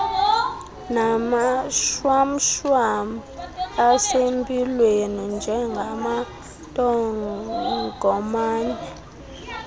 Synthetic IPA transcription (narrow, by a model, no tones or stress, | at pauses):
namaʃwam̩ʃwamasempʼilwenind͡ʒʱɛŋɡʱama | tʼɔ | ɡ̥ʱɔmaːnɛ